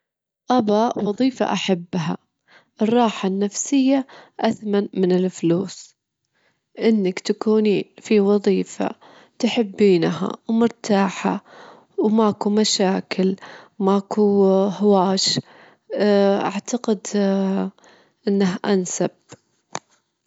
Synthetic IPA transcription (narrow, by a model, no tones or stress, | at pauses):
ʔabawɑðˤiːfa̰ʔaħabːɦa̰ | ʔɨrˤːɑːħanːafsɪjːaʔaθmanmɪnɪlfluːs | ʔɪnːakt̪akuːniːnfiwɑðˤiːfa̰ | t̪ʊħɪbːiːnɦa̰wmʊɾˤt̪aːħa̰ | wmakumaʃaːkɪlmakuhwaːʃ | ʔa̰ʕt̪aqɪd̪ | ʔɪnːaɦʔansab